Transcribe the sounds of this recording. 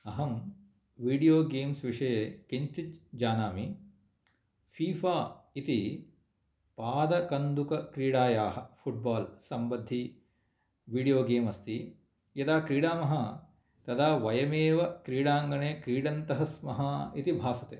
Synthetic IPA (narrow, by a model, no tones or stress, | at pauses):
ɐɦɐm | ʋiːɖijoːɡeːmsʋiʂɐjekiɲt͡ʃit͡ʃd͡ʒaːnaːmi | fʰiːfaːit̪i | paːd̪ɐkɐnd̪ukɐkɾiːɽaːjaːɦɐ̆pʰuʈ̚baːlsɐmbɐd̪ʱːi | ʋiːɖijoːɡeːmɐst̪i | jɐd̪aːkɾiːɽaːmɐɦɐ | t̪ɐd̪aːʋɐjɐmeːʋɐkɾiːɽaːŋɡɐɳeːkɾiːɽɐnt̪ɐɦɐsmɐɦɐit̪ibʱaːsɐt̪ḛː